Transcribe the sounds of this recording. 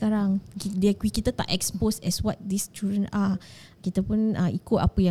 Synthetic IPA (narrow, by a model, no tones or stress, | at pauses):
kaɾaŋdəkwikit̪ət̪a̰ʔɛksposɛswɔt̪̚d̪ist͡ʃudɹə̃na | kit̪əpunaikʊtapəjã